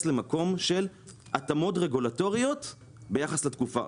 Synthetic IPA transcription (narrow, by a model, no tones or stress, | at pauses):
sle̞mako̞mʃe̞l | at̪amo̞tʁe̞ɡulato̞ʁijo̞t̪ | be̞jaχaslet̪kufa̰